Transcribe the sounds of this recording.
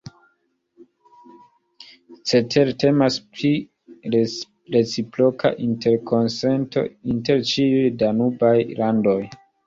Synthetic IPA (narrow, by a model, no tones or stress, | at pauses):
t͡se̞tʰe̞ɾte̞maspli | ɾ | ɾe̞t͡sipɾo̞kʰa̰ʔinte̞ɾkʰo̞nse̞nto̞̰inte̞ɾt͡ʃiujdanubajlando̞j